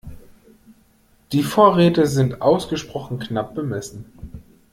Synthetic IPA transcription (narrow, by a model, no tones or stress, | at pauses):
d̥iːfoːɐʁeːtəzɪntʔaʊsɡ̥əʃpʁ̥ɔχn̩knap̚b̥əmɛsn̩